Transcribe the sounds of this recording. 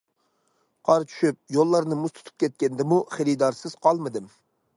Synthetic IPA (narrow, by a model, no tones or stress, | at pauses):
qʰɑɾt͡ʃʰy̥ʃyp̚jolˠːɑɾnɨmust̪ʰt̪ʰu̥p̚kʲʰɛt̪̚kʲɛnd̪ɪmuχeɾid̪ɑɾsɨz̥qʰɑlˠmɨd̪ɨm